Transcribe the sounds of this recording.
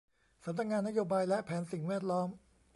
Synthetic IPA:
sa˩˦mna˧k̚ŋaː˧nːa˦˥joː˧baː˧jlɛ˦˥ʔpʰɛː˩˦nsi˨˩ŋwɛː˥˩t̪̚lɔː˦˥m

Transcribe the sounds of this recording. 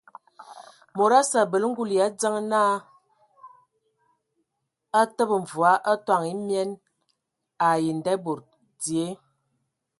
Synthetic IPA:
mo˨ɾa˦sa˨bə˨lŋ̩˦ɡu˦li˨a˨˦d͡zə˦ŋ˦na˦ | a˦tə˦bə˨ɱ̩˨vu˨a˦ʔa˦twa˦˨ŋi˦mjɛ˦n | a˨ji˨n˨dɛ˦bo˨ɾ | d͡zi˨e˦

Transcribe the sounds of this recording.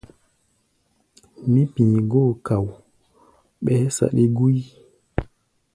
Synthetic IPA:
mĩ˦pĩ˨ɡo˦˨ka˨w | ɓɛ˦sa̰˨ɗi˦ɡu˦j

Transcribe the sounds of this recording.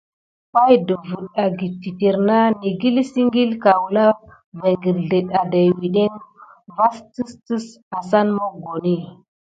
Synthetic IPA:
pa˦jdə˨vu˨ɗa˨ɡi˨tːi˨ti˨ɾna˦ni˨ɡi˦lsi˦ŋɡi˦lka˨wla˦ | ve˨ŋɡi˨ɾɮe˨ɗa˨da˨jwi˨ɗe˦ŋva˦sti˦stə˦s | a˨sa˦nmo˦ɡo˨ni˦

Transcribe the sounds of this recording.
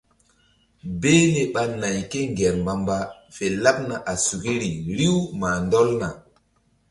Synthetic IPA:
be˦le˨ɓa˨na˨jke˦ŋɡɛ˨ɾmba˨mba˦fe˨la˦p̚na˨ʔa˨su˨ki˦ɾi˨ɾi˦wma˨ndɔ˦lna˨

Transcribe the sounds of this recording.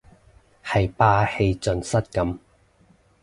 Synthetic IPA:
hɐ˨jpaː˧he˧jt͡sɵ˨˧nsɐ˥t̚kɐ˨˧˥m

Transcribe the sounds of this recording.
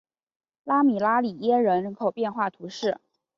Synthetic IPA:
la˥mi˨˩la˥li˨˩jɛ˥ɻə˧˥nɻə˧˥nkʰo˨˩ʊpjɛ˥˧nxwa˥˩t̪ʰu˧˥ʂɻ̩˥˩

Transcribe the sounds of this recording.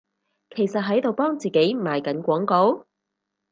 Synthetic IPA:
kʰe˨˩jsɐ˨t̚ɦɐ˨˥jt̪o˨wpɔː˥ŋt͡siː˨ke˨˥jmaː˨˧jkɐ˨˥nkʷɔː˨˥ŋko˨˥w

